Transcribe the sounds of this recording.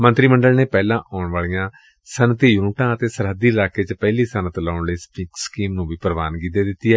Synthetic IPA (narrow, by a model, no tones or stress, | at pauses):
mə̃nt̪ɾiːməɳɖəlneːpɛːlãːʔɔːɳʋaːliːjãː | sənət̪ijunʈãːət̪eːsəɾɦəd̪iːɪlaːkeːt͡ʃpɛːliːsənət̪laːʊɳleːspɪkskiːmnũːʋiːpəɾəʋaːnɡid̪eːd̪ɪt̪ːiːɛː